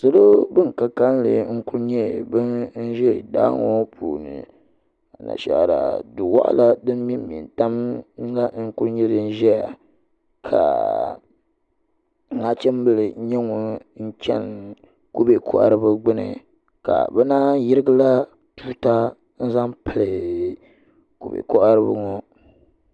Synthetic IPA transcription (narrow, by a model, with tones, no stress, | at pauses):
sɨ˨lo˦bɨ˦ŋ˨ka˨ka˦n˦lɨ˨ŋ̩˦kʊ˦ɾɲɛ˦bɨ˦n̩˦ʒɛ˦˨da̰ː˦ŋɔ˦pʰṵ˨nɨ̰˨ | a˨na̰˨ʃa̰˨ɾa̰˨du˨wa̰˦ʔla˦dɨ˦m˦mi˦mi˨nta˦m˦la˦ŋ̩˦ku˦ɾɲɛ˦dɨ˦n˦ʒɛ˦ja˨ | kʰa̰˨˦ | ŋa˦t͡ʃɛ˦m˦bɨ˦lɨ˨˦ɲɛ˦ŋɔ˨n̩˦t͡ʃɛ˦n | ku˦be˨kʰɔ˦ʔa˦ɾɨ˦bɨ˦ɡ͡bɨ˦nɨ̰˨ | ka̰˨bɛ˦naː˦ji˦ɾɨ˦ɡɨ˦la˦ | tu˦ta˦ | n̩˦za˦mpɨ˨lɨ˨ | ku˨bḛ˨kɔ˦ʔa˦ɾɨ˦bɨ̰˦ŋɔ˦